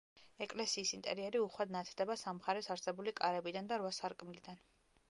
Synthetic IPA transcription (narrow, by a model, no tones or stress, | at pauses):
ɛkʼlɛsiːsint̪ʼɛ̰ɾiɛɾiuχwad̪nat̪ʰd̪ɛbasamχaɾɛsaɾsɛbulikʼaɾɛbid̪and̪aɾwasaɾkʼmlid̪an